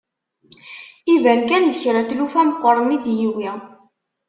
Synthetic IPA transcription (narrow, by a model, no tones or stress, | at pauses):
ivænkænðəçɾæt̪lufæmqʷːəɾˤənid̪jiwi